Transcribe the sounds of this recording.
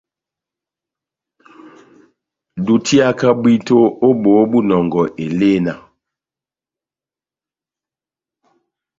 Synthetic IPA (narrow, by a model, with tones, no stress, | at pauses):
du˨tʰi˦a˦ka˦bwi˦to˦o˦bo˨˦bu˦nɔ˨ŋɡɔ˨ʔe˨leː˦na˨